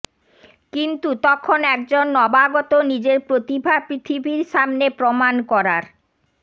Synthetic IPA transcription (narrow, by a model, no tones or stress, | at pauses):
kint̪ut̪ɔkʰonɛk̚d͡ʑonːɔbaɡɔt̪onid͡ʑeɾpɾot̪ibʱapɾit̪ʰibʱiɾʃamnepɾomankɔɾaɾ